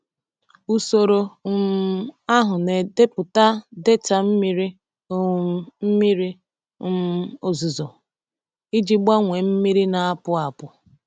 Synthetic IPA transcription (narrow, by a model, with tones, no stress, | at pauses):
u˦so˦ɾo˦˨m˦a˦ɦʊ˨ne˨de˦pʊ˨ta˦de˦ta˨m̩˦mi˦ɾi˦˨ | m̩˦mi˦ɾi˦ | m˦o˨zu˨zo˨ | i˦d͡ʒi˦ɡ͡ba˦ŋʷe˨m̩˦mi˦ɾi˦na˨a˦pʊ˦a˨pʊ˨